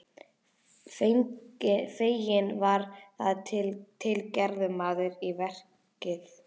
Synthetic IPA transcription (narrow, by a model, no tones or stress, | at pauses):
f | feːjɪnvaɾθaðtʰɪlt̪ʰɪlcɛɾðʏmaːðʏɾivɛr̥ | cɪθ